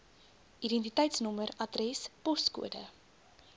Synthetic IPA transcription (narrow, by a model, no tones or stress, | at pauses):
ʔiɾɛntitɛjtsnɔməɾɐdrɛspɔstkṵədə̰